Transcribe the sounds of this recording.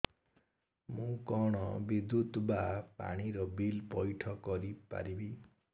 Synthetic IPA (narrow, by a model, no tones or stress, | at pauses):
mũkɔɽ̃ɔbid̪ut̪bapa̰ɽ̃iɾɔbilpɔjʈʰɔkɔɾipa̰ɾibi